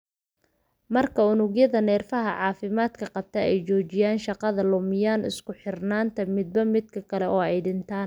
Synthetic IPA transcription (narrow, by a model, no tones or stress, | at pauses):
mɐrkʰɐʊnʊɣjɐðɐnɛːrfɐɦɐʕɑːfɪmaːd̪kʰɐqɑb̚t̪ʰɐɛjt͡ʃɔːt͡ʃɪjaːnʃɑqɑðɐlʊmɪjaːnʔɪ̰skʰʊħɪrnaːnt̪ʰɐmɪd̪̚bɐmɪd̪̚kʰɐkʰɐlɛʔɔːɛjɖɪnt̪ʰaːn